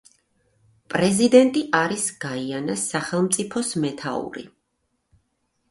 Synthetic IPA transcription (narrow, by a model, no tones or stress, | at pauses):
pʼɾɛzid̪ɛnt̪ʼiʔaɾisɡ̥aianasaχɛlˠmt̪sʼipʰɔsmɛt̪ʰa̰ṵɾḭ